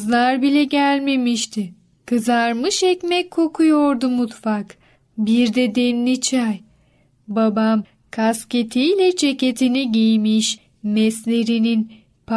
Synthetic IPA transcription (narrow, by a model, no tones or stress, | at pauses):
zlˠaɾbilʲɛɟælʲme̞miʃt̪ʰɪ | kʰɯzaɾmɯʃɛcmɛcʰːo̞kʰujoɾd̪umut̪fak | biɾd̪ɛd̪ɛnːit͡ʃʰaj | babam | kʰasce̞t̪ʰijlʲɛd͡ʒʰece̞t̪ʰiniɟijmiʃ | mɛslʲeɾinin | pʰ